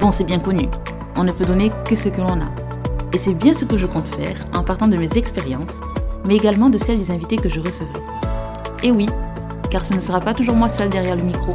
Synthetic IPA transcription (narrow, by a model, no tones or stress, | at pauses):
bɔ̃sɛbjɛ̃kɔny | ɔ̃nəpød̪ɔnekəsəkəlɔ̃na̰ | esɛbjɛ̃səkəʒəkɔ̃t̪fɛ̰ːʁɑ̃paʁt̪ɑ̃d̪əmezɛkspeʁjɑ̃s | mɛeɡalmɑ̃d̪əsɛld̪ezɛ̃vit̪ekəʒəʁəsəvʁɛ | ewi | kaʁsənəsəʁapat̪uʒuʁmwasœld̪ɛʁjɛʁləmikχo